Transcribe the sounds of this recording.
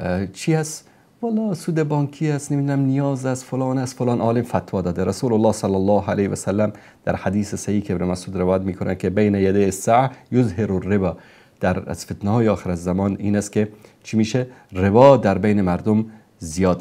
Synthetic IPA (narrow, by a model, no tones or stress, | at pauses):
t͡ʃʰiːæst̪ | valːɒːsuːd̪ebɒːŋkʰiːæsnemiːd̪unæmnijɒːzæst̪folɒːnæst̪folɑːnʔɒːlɪmfat̪wɒːd̪ɒːd̪eɾasuːlʊlːɑːhsɑlːalːɑːɦælehʋasalːam | d̪̥æ̰ɾħad̪iːsesæhiːkʰebɾemasuːd̪ɾɪvɒːjat̪miːkʰʊnʔankʰebejnæjad̪ejhsːaʕajʊzɦɪɾʊrːɪbɑː | d̪̥æɾ̰z̥fet̪næhɒːjeɒːxeɾæzːamɒːniːnæst̪̚ket͡ʃʰimiːʃerɪbɒd̪æɾbejnemæɾd̪ʊm | zijɒːd̪̚